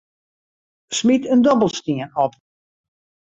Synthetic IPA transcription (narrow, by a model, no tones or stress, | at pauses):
smitəndɔbəl̩ˠstiənɔp̚